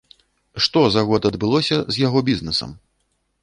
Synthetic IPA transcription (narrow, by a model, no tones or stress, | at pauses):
ʂt̪ɔzɐɣɔd̪ɐd̪bɨlˠɔsʲɐzʲjaɣɔbʲiznɛsɐ̰m